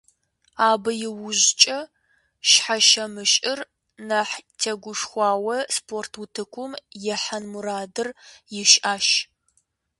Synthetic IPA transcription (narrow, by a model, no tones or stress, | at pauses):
aːbɐjɪwʊʑt͡ʃʼɐ | ʃħaʃɐmɨʃʼɪr | nɐħtʰeɡʷʊʂxʷɑːwɐspʰoːrtʰwʊtʰɨkʷʰʊmjɛħɐnmuɾaːdɨrjɪʃʔaːʃ